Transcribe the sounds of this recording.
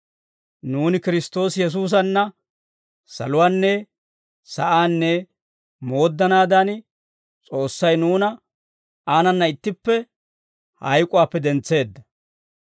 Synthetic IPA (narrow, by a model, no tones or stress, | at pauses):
nuːnɪkɪɾɪst̪o̞ːsjɛs̬uːs̬ɐnːɐ | sɐ̰lʊwaːnːɛ | sɐʔaːnːɛ | mo̞ːd̪ːɐnaːd̪an | t͡sʼo̞ːsːɐjnuːnɐ | aːnɐnːɐɪt̪ːɪpːɛ | hɐ̰jkʼʊwaːpːɛd̪ɛnt͡sːe̞ːd̪ːɐ